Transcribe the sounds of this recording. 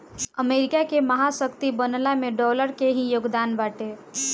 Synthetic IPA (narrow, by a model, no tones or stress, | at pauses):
əmeɾikakeməɦasəkt̪ibənlameɖɔləɾkeɦĩjoɡd̪anbaʈe